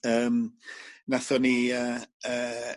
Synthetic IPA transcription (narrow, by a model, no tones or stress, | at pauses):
əːmnaθɔniəːəː